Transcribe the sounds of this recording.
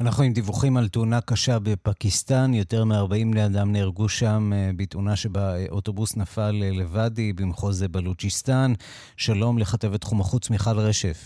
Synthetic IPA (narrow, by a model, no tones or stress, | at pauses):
anaχnuimd̪ivuχimaltuunakaʃabe̞pakistanjo̞te̞ʁmeaʁbaimlead̪amneʁɡuʃambitunaʃebaʔoto̞busnafalelevadibimχozebalut͡ʃist̪an | ʃalo̞mleχate̞vetχumaχut͡smiχalʁe̞ʃe̞f